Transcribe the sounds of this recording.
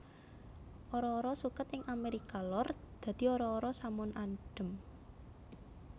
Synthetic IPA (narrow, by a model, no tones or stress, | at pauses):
ʔoɾɔːɾɔsukət̪ɪŋʔameɾikalɔrd̪̥ä̤d̪̥i̤oɾɔːɾɔsamʊnanɖ̥ə̤m